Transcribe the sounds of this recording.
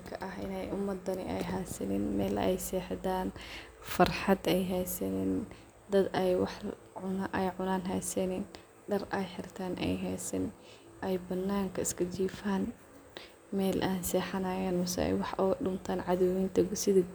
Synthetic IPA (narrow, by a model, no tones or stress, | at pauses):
kʰɐʔɐɦɪ̰nɛjʊmːɐd̪ːɐnɪ̰ʔɛ̰jɦɛːsɐnɪnmɛːlɛ̰jsɛːħd̪aːn | fɐrħɑd̪ɛjɦɛjsɐnɛn | d̪ɐd̪ɛjwɑħ | ʕʊnʔɛjʕʊnaːnɦɛjsɐnɪn | ɖɐrʔɛjħɪrt̪ʰaːnʔɛ̰jɦɛjsɐn | ʔɛjbɐnːaːŋkʰɐɪskʰɐd͡ʒiːfaːn | mɛːlʔaːnsɛːħɐnaːjɛːnmʊsɛ̰ɛ̰jwɑħʔʊɣɐɗʊmt̪ʰaːnʕɑðʊwint̪ʰɐɡsɪðɐ